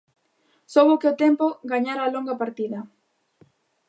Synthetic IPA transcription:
soβʊkeʊt̪ɛmpoɡaɲaɾaːloŋɡapaɾt̪iðɐ

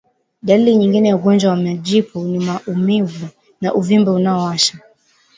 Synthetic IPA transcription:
ɗaliliɲiŋɡinɛjauɡɔnd͡ʒwawamɛʄipʰunimaʔumivu | naʔuvimbɛunaɔwaʃa

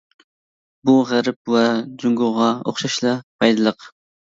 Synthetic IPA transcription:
buʁæɾɪp̚wɛd͡ʒuŋɡoʁɑo̰χʃɑʃlˠɑpʰɑjd̪ɨlˠəq

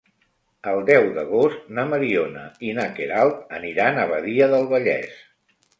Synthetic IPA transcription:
əlˠd̪ɛwðəɣost̪naməɾionəinakeɾalˠt̪̚əniɾanəβəðiəðəlˠβəʎɛ̰s

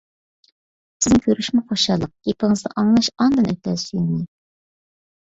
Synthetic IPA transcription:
sɪ̥znɪkʲʰøɾyʃmɛχoʃɑlˠːəq̚ɡ̥ʲepɪŋɨzd̪ɑʔɑŋlˠɑʃɑnd̪ɨnøkʲɛzsyjnnɪ

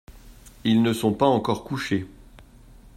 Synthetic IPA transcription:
ilnəsɔ̃paɑ̃kɔʁkuʃe

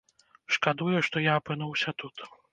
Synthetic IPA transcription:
ʂkad̪ujuʂt̪ɔjaːpɨnuwsʲɐt̪ut̪

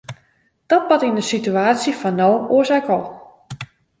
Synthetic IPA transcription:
d̥ɔt̚pɑtindəsityaːsjifɔnːowoəsɛkɔlˠ

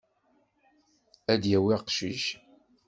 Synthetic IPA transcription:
æd̪jæwiqʃiʃ

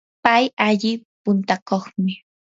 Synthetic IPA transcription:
pajaʎɪpʊnt̪akoχmɪ

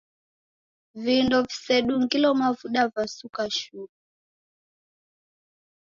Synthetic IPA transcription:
vindɔvisɛɗuŋɡilɔmavuɗavasukaʃuku

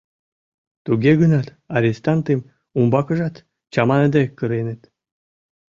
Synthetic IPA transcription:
t̪uɡʲeɡənɑt̪ | ɑɾʲest̪ɑnt̪em | umbɑkə̆ʒɑt̪ | t͡ɕɑmɑned̪ekːəɾenĕt̪

